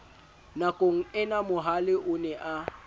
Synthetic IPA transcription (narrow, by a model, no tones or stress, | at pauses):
nakʼoŋ̩ɛnamʊɦalɪʔʊnɛʔa